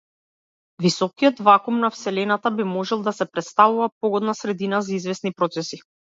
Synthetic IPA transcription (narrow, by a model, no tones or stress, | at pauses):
visɔkijɔt̪vakumnafsɛlɛnat̪abimɔʒɛlˠd̪asɛpɾɛt̪st̪avuvapɔɡɔd̪nasɾɛd̪inazaizvɛsnipɾɔt̪sɛsi